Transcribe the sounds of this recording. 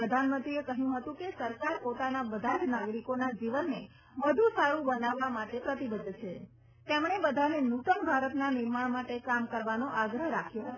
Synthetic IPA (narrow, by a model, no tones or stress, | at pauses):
əd̪ʱanmənt̪ɾiekəɦjũɦət̪ũkesəɾkaɾpot̪anabəd̪ʱad͡ʒnaɡɾikonad͡ʒiʋənːe | məd̪ʱũsaɾũbənaʋːamaʈepɾət̪ibəd̪ʱːt͡ʃʰe | t̪emɳ̃ebəd̪ʱanenut̪əmbʱaɾət̪nanɪɾmaɭmaʈekamkəɾʋanoʔaɡɾəɦɾakʰjoɦə